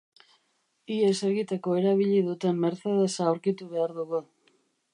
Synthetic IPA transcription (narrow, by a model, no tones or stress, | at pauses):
ie̞se̞ɣit̪e̞ko̞e̞ɾaβ̞iʎiðut̪e̞mːe̞ɾθe̞ð̞e̞saːwɾkit̪uβe̞aɾðuɣu